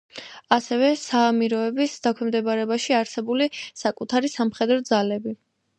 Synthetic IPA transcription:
asɛvɛsaːmiɾɔɛbisd̪akʰwɛmd̪ɛbaɾɛbaʃiaɾsɛbulisakʼut̪ʰaɾisamχɛd̪ɾɔd̪zalɛbi

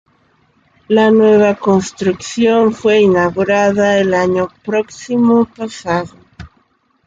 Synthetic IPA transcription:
lanweβ̞ako̞nst̪ɾuksjo̞ɱfwe̞inaɣuɾaðaelaɲopɾo̞ksimopasaðo

